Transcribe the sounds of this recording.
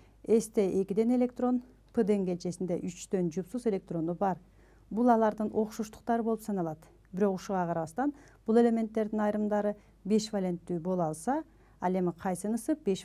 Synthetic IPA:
e̞st̪e̞ʔe̞kid̪e̞ne̞lʲe̞kt̪ro̞n | pɨd̪eŋɡe̞lʲt͡ʃesind̪e̞ʔyt͡ʃd̪ø̞nd͡ʒupsuze̞lʲe̞k̚t̪ro̞nubɑɾ | bulˠɑlˠɑɾd̪ɯnʔo̞qʃuʃt̪u̥q̚t̪ɑɾɯbolˠupsɑnɑlˠɑt̪ | biɾo̞quʃuʁɑqʰɑɾɑβɑst̪ɑn | b̥ulˠe̞lʲe̞mʲe̞nt̪ːe̞ɾd̪inɑjɾɯmd̪ɑɾɯ | be̞ʃvalʲe̞nt̪ːyːbo̞lˠɑlˠsɑ | ɑle̞miqʰɑjsɯnɯsɯp̚be̞ʃ

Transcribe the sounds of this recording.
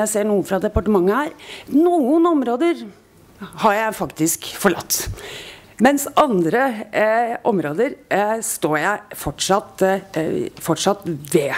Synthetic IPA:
æɪseːɳuːəfɾɑd̪ɛpɑʈəmɑŋːəhæːɾnuːənɔmɾoːd̪əɾ | hɑɾjæɪfɑkt̪ɪskfɔɭɑ̰t̪ː | mɛnsɑnd̪ɾə | ʔɔmɾoːd̪əɾst̪oːjæɪfɔʈʂɑt̪ː | fɔʈʂɑt̪ːʋe

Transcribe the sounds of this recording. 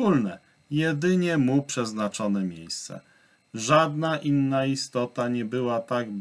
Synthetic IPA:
ulnɛ | jɛd̪ɘɲɛmupʂɛznat͡ʂɔnɛmʲjḛjst̪sɛ̰ | ʐad̪naʔinːaist̪ɔt̪aɲɛbɘwat̪aɡb

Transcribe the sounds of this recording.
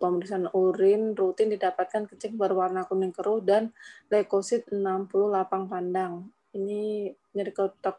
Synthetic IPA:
pəməɾisanuɾɪnrut̪ɪndidapat̪̚kankət͡ʃɪŋ̚bərwarnakunɪŋkəɾʊhdanlekosɪt̪̚ənampulʊhlapaŋpandaŋ | ini | ɲəɾikət̪ak̚

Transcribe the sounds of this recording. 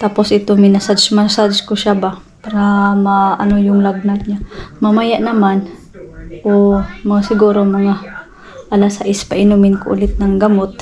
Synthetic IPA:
t̪aːposʔɪt̪omɪnasad̪smasad̪ɪskʊʃaba | paɾamaʔa̰nojʊŋlaɡ̚nat̪̚ɲamamajaʔnɐman | ʔomɐŋasɪɡuːɾomɐŋa | ʔalasaʔɪspaʔɪnumɪnkoʔʊ̰lɪt̪̚naŋɡamot̪̚

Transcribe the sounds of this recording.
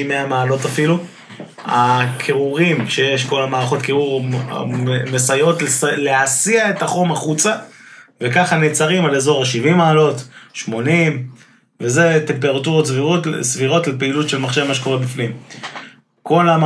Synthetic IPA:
imeamaːlo̞tafilu | a̰kʰeʁuʁimʃejeʃko̞lamaːʁaχo̞tkeʁuʁ̰ | mesajo̞tlsleasiae̞taχo̞maχut͡savekaχanet͡saʁimalezo̞ʁaʃivimaːlo̞tʃmo̞nim | ve̞ze̞t̪e̞mpe̞ʁatuʁotsviʁotsviʁo̞tlepeilutʃelmaχʃevmaʃeko̞ʁebifnim | ko̞la

